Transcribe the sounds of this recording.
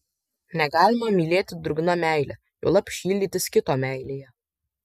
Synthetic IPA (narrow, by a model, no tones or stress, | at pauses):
nʲɛɡɑːlʲɪmɐmʲiːlʲeːt̪ʲɪd̪ɾʊɡnɐmʲæˑɪlʲɛ̰ | jo̰lˠɐpʃʲiːlʲd̪ʲiːt̪ʲɪskʲɪt̪oːmʲæˑɪlʲeːjɛ